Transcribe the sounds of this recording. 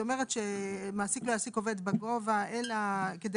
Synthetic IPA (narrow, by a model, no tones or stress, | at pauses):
ome̞ʁet̪ʃemaːsiklo̞jasiko̞ve̞d̪baɡo̞vaelaked̪e